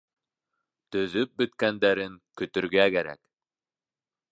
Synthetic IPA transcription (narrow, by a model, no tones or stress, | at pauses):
t̪ɵ̆ðɵp̚bɵ̆t̪kænd̪æɾɘŋkɵ̆t̪ɵ̆ɾɡækæɾæ̰k